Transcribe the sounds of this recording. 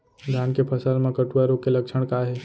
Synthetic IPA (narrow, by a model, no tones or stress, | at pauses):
d̪ʱjankepʰəsəlmẽkəʈuaɾokeləkʃʰəɽ̃kaɦe